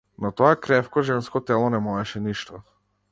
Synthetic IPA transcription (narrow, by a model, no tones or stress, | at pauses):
nɔt̪ɔakɾɛfkɔʒɛnskɔt̪ɛlˠɔnɛmɔɛʃɛniʃt̪ɔ